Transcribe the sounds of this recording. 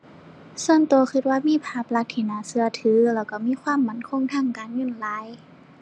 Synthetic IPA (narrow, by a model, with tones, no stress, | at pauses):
su˧˨ənt̪u˨˩ɐxʰɯ˧t̪̚waː˧˨miː˧˥˨pʰaː˧˩p̚la˧k̚t̪ʰiː˧˩naː˨˧˦sɯ˧ɐt̪ʰɯː˨˦lɛː˧˩wka˧˩miː˧˥˨kʰwaː˧˥˨mːa˧˩˨nkʰo˧˥˨ŋt̪ʰaː˧˥˨ŋkaː˨˩nɲuː˧˥˨nlaː˨˦j